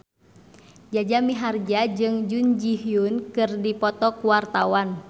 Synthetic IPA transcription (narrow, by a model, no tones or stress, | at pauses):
d͡ʒad͡ʒamiɦard͡ʒad͡ʒɨŋd͡ʒund͡ʒiɦjunkɨrdipɔt̪ɔkuwart̪awan